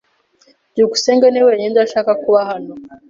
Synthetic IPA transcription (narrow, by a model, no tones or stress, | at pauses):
diuɡuseːŋɡaneweːɲendaʃaːkakuβaɦano